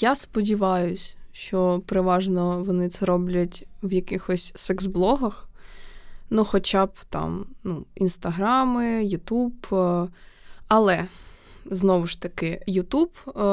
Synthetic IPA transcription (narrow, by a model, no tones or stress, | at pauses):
jaspɔdʲiʋɑjʊsʲʃt͡ʃɔpɾɪʋɑʒnɔʋɔnɪt̪sɛɾɔblʲɐtʲwjɐkɪxɔsʲsɛksblˠɔɦɐx | nuxɔt͡ʃɑb̚t̪ɑ̰mnuḭnst̪ɐɦɾɑmɪjʊt̪ub | ɐlˠɛ | znɔʋʊʃt̪ɐkɪjʊt̪ub